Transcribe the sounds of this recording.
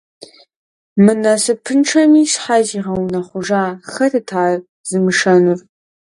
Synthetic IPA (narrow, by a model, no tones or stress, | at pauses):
mɨnɐsɨpʰɨnʈ͡ʂʰɐmiːsħaziʁɐwunɐχʷʊʐaːχɐrɨtʰaːr | zɨmɨʂɐnur